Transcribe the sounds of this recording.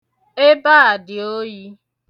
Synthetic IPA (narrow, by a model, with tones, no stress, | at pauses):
e˦ba˦a˨dɪ˨o˦ji˦